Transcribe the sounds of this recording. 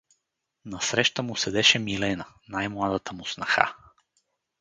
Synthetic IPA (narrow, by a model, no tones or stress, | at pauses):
nɐsɾɛʃt̪əmʊsɛd̪ɛʃɛmilɛnənajmlˠad̪ət̪əmʊsnɐxa̰